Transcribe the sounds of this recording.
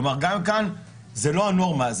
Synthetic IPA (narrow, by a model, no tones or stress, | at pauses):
maʁɡamkan | zelohanuoaʁmaz